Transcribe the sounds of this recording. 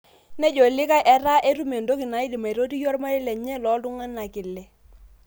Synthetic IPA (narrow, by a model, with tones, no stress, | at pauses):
nɛ˦d͡ʒɔ˨lɪ˦ka˦ʔɛ˨ra˦ʔe˦tu˦me˨ndo˦kɪ˨na˨˦ɪ˦di˨ma˨ɾo˦ti˦jɔ˦rma˦ɾɛ˦lɛ˨ɲɛ˦lɔ˨˦tu˦ŋa˦na˨kɪ˨lːɛ˨